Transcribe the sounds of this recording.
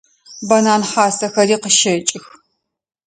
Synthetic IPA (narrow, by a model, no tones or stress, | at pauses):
bɐnaːnħaːsɐxɐɾiːqəʃɐt͡ʃʼɪx